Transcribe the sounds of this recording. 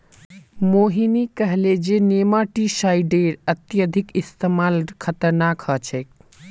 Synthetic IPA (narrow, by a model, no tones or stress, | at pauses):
moːɦinikəɦled͡ʒeneːmaːʈiʃaːjɖeːɾət̪jəd̪ʱikist̪eːmaːlkʰɐt̪əɾnaːkhət͡ʃʰek̚